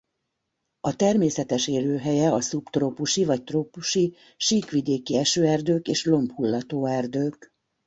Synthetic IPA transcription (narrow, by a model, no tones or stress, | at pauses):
ɒt̪ɛrmeːsɛt̪ɛʃeːløːɦɛjɛɒsupt̪roːpuʃivɒc̚t̪roːpuʃi | ʃiːkʋid̪eːkiɛʃøːɛrd̪øːkeːʃlo̞mphulːɒt̪oːɛrd̪øːk